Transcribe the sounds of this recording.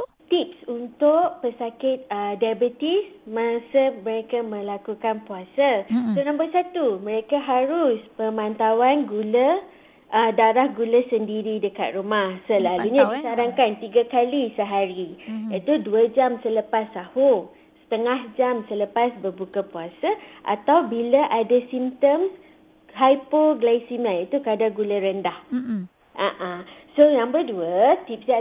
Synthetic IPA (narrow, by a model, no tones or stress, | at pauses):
t̪ip̚sunt̪ʊʔ̚pəsakɪt̪̚ədabət̪ismasəməɾekamə̃lakukanpuasasuɾaŋpasat̪umə̃ɾekaɦaɾʊspəmãnt̪awanɡulə | ʔədaɾahɡuləsəndiɾidəka̰t̪̚rumahsəlaluɲãdisaɾaŋkant̪iɡakalisəɦaɾiit̪uduəd͡ʒamsələpast̪aho | sə̥t̪əŋahd͡ʒamsələpasbərbukapuasaʔa̰t̪awbiləʔadasimt̪əms | ɦajpoɡlajsimalit̪ukadaɡuləɾəndah | ʔaʔasojaŋbəduət̪ip̚s